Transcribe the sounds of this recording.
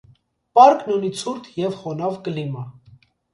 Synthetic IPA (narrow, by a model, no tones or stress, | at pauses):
pɑɾknɔnit͡sʰuɾt̪ʰjɛvχɔnɑvkəlimɑ